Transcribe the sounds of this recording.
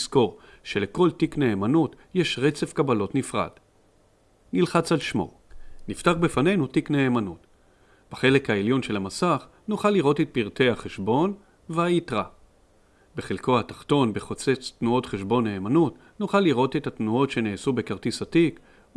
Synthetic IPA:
sko̞ʁ | ʃe̞le̞ko̞ltikne̞ːmanutjeʃʁe̞t͡sefkabalo̞tnifʁa̰d̥ | nilχat͡salʃmo̞̰ | niftaʁbefanejnutikne̞ːmanut | b̥aχe̞le̞khaeljo̞nʃe̞lhamasaχ | nuχalːiʁo̞tet̚piʁt̪e̞jhaχeʃbo̞n | veaitʁa | beχilko̞hatḁχto̞nbeχo̞t͡se̞t͡st̪nuo̞tχeʃbo̞nːeːmanut | nuχalːiʁo̞te̞thatnuo̞tʃe̞neːsube̞kaʁtisatik

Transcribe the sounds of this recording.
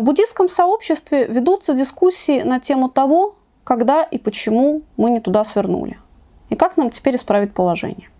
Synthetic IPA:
vbʊdʲisskəmsɐo̞pɕːɪst̪vʲɪvʲɪd̪ut̪sədʲɪskusʲːɪːnɐtʲe̞mʊt̪ɐvo̞ | kɐɡd̪aʔɪpət͡ɕɪmumɨnʲɪt̪ʊd̪asvʲɪrnṵlʲɪ̰ | ɪkaknamtʲɪ̥pʲeɾʲɪspɾavʲɪt̚ʲpəlˠɐʐɛ̰nʲɪjə

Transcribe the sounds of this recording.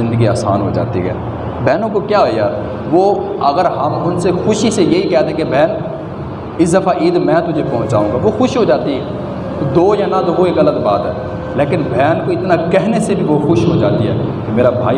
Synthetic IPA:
ɪ̃nd̪əɡiaːsa̰ːnɦo̰d͡ʒa̰ːt̪ḭɦɛ̰ː | bʱɛːnõkokjaːɦojaː | ʋoː | ɐɡəɾɦɐmʊnsexʊʃisejeɦikɛːt̪ẽkebʱɛːn | ɪsd̪əfaːʔiːd̪mɛ̃ːt̪ʊd͡ʒʱepɔɦʊ̃t͡ʃaːũːɡaːʋoxʊʃɦod͡ʒaːt̪iɦɛ | t̪od̪oːjaːnad̪oɦoeːkɐlət̪baːt̪ɦɛ̰ː | leːkɪnbʱɛːnkoɪt̪nakɛɦnesebʱiʋoxʊʃɦod͡ʒaːt̪iɦɛ̰ːkemeːɾabʱa̰ːi

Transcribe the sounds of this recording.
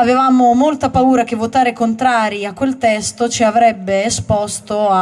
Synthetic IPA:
avevaːmomolt̪apauːɾak̟evːot̪aːɾekont̪ɾaːɾiakwelt̪ɛst̪ot͡ʃiavɾɛbːeːspɔst̪oa

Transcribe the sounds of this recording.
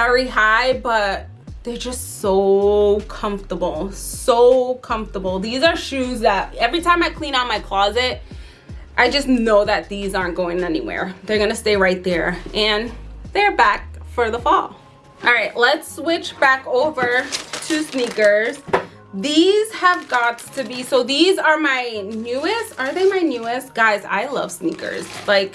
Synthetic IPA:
vɛɹiɦaɪbʌt̪̚ | ðə˞d͡ʒʌstsoʊkʰʌ̃ɱftə˞bl̩ˠsoʊkʰʌ̃ɱftə˞bl̩ˠðizə˞ʃʉzðəɾ̚ɛvɹitʰãɪ̃maɪkʰl̥ĩñaʊ̃nmaɪkʰl̥ɔzɪt̚ | ʔaɪd͡ʒʌsnoʊðɨt̪̚ðizɑɹnɡ̥oʊɪ̃ŋɛnḭwɛ̰ɹðə˞ɡʌnɨsteɪɹaɪt̪̚ðə˞ʔɨ̃nðə˞bæk̚fə˞ðəfɔ̰lˠ | ʔɑlˠɹaɪʔlətswɪt͡ʃb̥ækoʊvə˞tʰɨsnikə˞z̥ | ðiz̥əvɡɑtʰɨbisoʊðizə˞maɪnjʉɨstə˞ðeɪmaɪnjʉɨst̚ɡ̥aɪza̰ɪlʌ̰v̥snikə̰˞z̥laɪk

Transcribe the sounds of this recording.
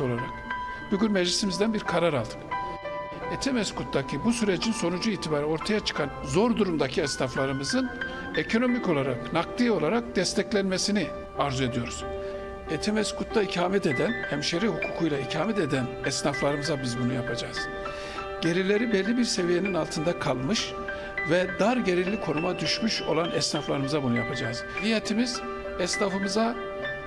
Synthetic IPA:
olˠaɾak | b̥uɟynmɛʒlʲisimizd̪ænbiɾkʰaɾaɾalˠd̪ʰɯ̥k | et̪ʰɛmɛskut̪̚d̪acʰibusyɾed͡ʒinso̞nud͡ʒuiːt̪ʰibaːɾɛo̞ɾt̪ʰajat͡ʃʰɯ̥kʰanzo̞ɾd̪uɾumd̪acʰiɛsnaflˠaɾɯmɯzɯn | ecʰo̞no̞mico̞lˠaɾaknakt̪ˠijo̞lˠaɾak̚d̪̥ɛst̪ʰɛclʲænme̞sini | aɾzue̞d̪ijo̞ɾuz̥ | ɛt̪ʰɛmɛskut̪laicʰaːmɛt̪e̞d̪ænhæmʃeɾihukʰuːkʰujlˠaicʰaːmɛt̪ed̪ænɛsnaflˠaɾɯmɯzabizbunujapʰad͡ʒaːz̥ | ɟ̥e̞ɾilʲe̞ɾibɛlʲːibiɾse̞vije̞ninalˠt̪ʰɯnd̪akʰalˠmɯʃ | vɛd̪aɾɟe̞ɾilʲːikʰo̞numad̪yʃmyʃo̞̰lˠanɛsnaflˠaɾɯmɯzabunujapʰad͡ʒaːz̥hijet̪ʰimiz | ɛsnafɯmɯza

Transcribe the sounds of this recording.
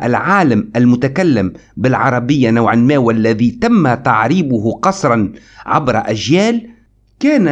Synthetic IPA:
ʔalʕaːlamʔalmʊt̪akalːɪmbɪlʕɑɾˤɑbɪjːanawʕanmaːwʔalːaðit̪amːat̪ɑʕɾiːbʊɦʊqɑsˤɾˤɑn | ʕa̰bɾɑʔaʒjæːl | kæːn

